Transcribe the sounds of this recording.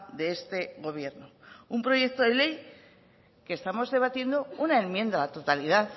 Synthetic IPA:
d̪e̞est̪e̞ɣo̞β̞je̞ɾnoumpɾo̞je̞k̚t̪o̞ðe̞le̞j | kest̪amo̞zðe̞β̞at̪je̞nd̪o̞unae̞mmjẽ̞nd̪alat̪o̞t̪aliðaθ

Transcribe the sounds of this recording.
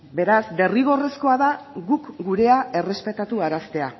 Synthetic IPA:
be̞ɾazd̪e̞riɣ̞o̞re̞sko̞aðaɣukɡuɾe̞ae̞re̞spe̞t̪at̪uaɾast̪e̞a

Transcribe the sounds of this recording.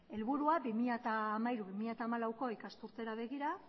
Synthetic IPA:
e̞lβuɾuabimiʎat̪aːmaiɾuβimiʎat̪aːmalawko̞ikast̪uɾt̪e̞ɾaβ̞e̞ɣiɾa

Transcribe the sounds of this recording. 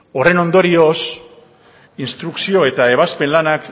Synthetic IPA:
o̞re̞no̞nd̪o̞ɾio̞s | inst̪ɾuksio̞e̞t̪ae̞β̞aspe̞nlanak

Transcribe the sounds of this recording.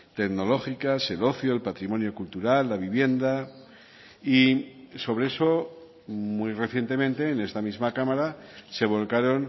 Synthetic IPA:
t̪e̞ɣno̞lo̞xikase̞lo̞θjo̞elpat̪ɾimo̞njo̞kult̪uɾalːaβ̞iβje̞nd̪a | iso̞β̞ɾee̞so̞ | mwujre̞θje̞nt̪e̞mẽ̞nt̪e̞ːne̞st̪amizmakamaɾase̞β̞o̞lkaɾo̞n

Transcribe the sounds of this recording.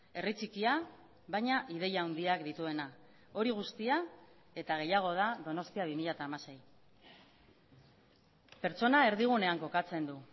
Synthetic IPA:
e̞rit͡sikia | βajɲaʔið̞e̞jauwnd̪iakd̪it̪ue̞na | o̞ɾiɣ̞ust̪ia | e̞t̪aɣ̞e̞jaɣ̞o̞ð̞aðo̞no̞st̪iaβ̞imiʎat̪aːmase̞j | pe̞ɾt͡so̞nae̞ɾðiɣ̞une̞aŋko̞kat͡se̞nd̪u

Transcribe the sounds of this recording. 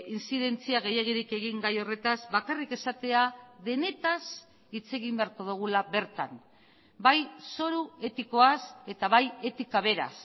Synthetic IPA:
insiðe̞nt͡siaɣ̞ejeɣ̞iɾike̞ɣ̞iŋɡajo̞re̞t̪azβakarike̞sat̪e̞aðe̞ne̞t̪as | it͡se̞ɣimbe̞aɾko̞ðuɣ̞ulaβe̞ɾt̪a̰n | bajso̞ɾue̞t̪iko̞ase̞t̪aβaje̞t̪ikaβ̞e̞ɾa̰s

